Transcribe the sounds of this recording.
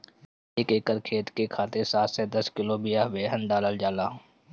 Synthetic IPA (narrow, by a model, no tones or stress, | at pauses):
eːkeːkəɾkʰeːt̪kekʰaːt̪esaːt̪sɛd̪ɐskɪlobɪjaɦbeːɦənɖaːləld͡ʒaːlaːɦː